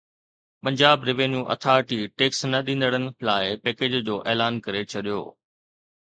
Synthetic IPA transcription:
pɐ̃ɲd͡ʑaːbɾɪʋẽːnjũʔɐ̰t̪ʰaːɾʈiʈeːksnɐɗĩːn̆d̪əɽənɪ̆laːɪpeːkeːd͡ʑd͡ʑoːʔeːlaːnkɐɾet͡ɕʰɐɗijo̰ː

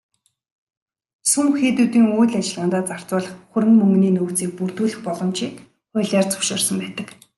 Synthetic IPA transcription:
sɵmxeːt̪uːt̪iːŋuːɮat͡ɕɪ̆ɮʁaːnt̪aːt͡sar̥t͡sʊːɮə̆χxɵɾɘ̆ŋmɵŋɡniːnɵwt͡siːk̚purt̪uːɮɘ̆xpɔɮɞ̆mt͡ɕiːk | ʊːɮʲaːrt͡sɵ̥kʃɔːrsə̆mpæːt̪ə̆k

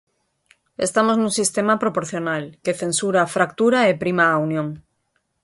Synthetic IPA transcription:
est̪amoznũŋsist̪emapɾopoɾθjonalkeθensuɾafɾak̚t̪uɾaepɾimaːunjõŋ

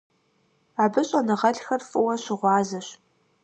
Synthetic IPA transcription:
aːbɨɕʼɐnɨʁɐɮxɐrfʼɨwɐɕɪʁʷɑːzɐɕ

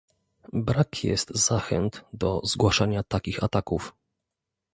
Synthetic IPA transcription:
bɾakʰjɛ̰st̪z̥axɛ̰nt̪d̪ɔzɡwaʂaɲat̪akʲixat̪akuf

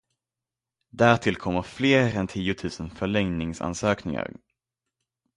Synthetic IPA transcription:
d̪æːɾʈ̪ʰɪlkʰɔmːəɾfleːɾɛnt̪ʰiːʊt̪ʰʉ̟ːsənfœɭɛŋnɪŋsa̰nsøːknɪŋa̰ɾ

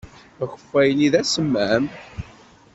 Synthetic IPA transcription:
çəfːæjəniðæsəmːæm

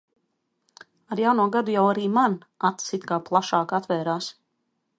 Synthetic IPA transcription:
aɾjawnuɔɡad̪ujawaɾiːman | at̪sit̪ʲkaːplˠaʃaːkat̪vɛːɾaːs

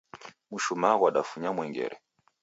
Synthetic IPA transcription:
muʃumaɣwaɗafuɲamwɛŋɡɛ̰ɾɛ

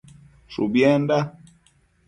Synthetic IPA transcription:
ʃṵbjɛnda

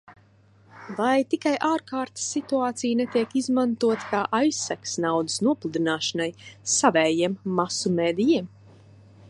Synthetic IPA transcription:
vajt̪ikajʔaːɾkaːɾt̪sːit̪uaːt̪sijnet̪iɛkizmant̪uɔt̪kaːʔajsːaksnawd̪ɨ̥snuɔplˠud̪inaːʃanajsavɛːjiɛmːasumeːd̪ijiɛm

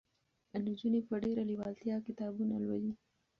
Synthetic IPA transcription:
anud͡ʒunepəɖeɾaliwɑlt̪ijɑkɪt̪ɑbunalwaji

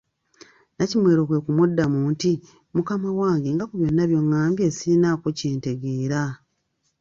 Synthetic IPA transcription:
nacimwe̞ːɾo̞kwe̞kumudːamuːnti | mukamawaːŋɡeŋɡakuβjo̞nːaβjo̞ŋːaːmbjeːsiːnakoceːnte̞ɡeːɾa

